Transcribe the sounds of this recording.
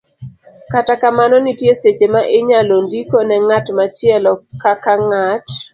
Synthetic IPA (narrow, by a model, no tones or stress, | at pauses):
katakamanɔnitjeset͡ʃemaʔɪɲalondikonɛŋatmat͡ʃɪɛlɔkakaŋat